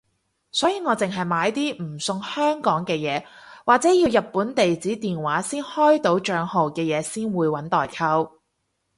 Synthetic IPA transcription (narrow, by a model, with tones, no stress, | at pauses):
sɔː˨˥jiː˨˧ŋɔː˨˧t͡sɪ˨ŋɦɐ˨jmaː˨˧˥jt̪iː˥m̩˨˩sʊ˧ŋhœː˥ŋkɔː˨˥ŋkɛː˧jɛː˨˧waː˨k̚t͡sɛː˨˥jiː˧wjɐ˨t̚pːuː˨˥nt̪e˨jt͡siː˨˥t̪iː˨nwaː˨˥siː˥nhɔː˥jt̪o˨˥wt͡ʃœː˨˧ŋho˨wkɛː˧jɛː˨˧siː˥nwuː˨˧jwɐ˨˥nt̪ɔː˨jkʰɐ˥w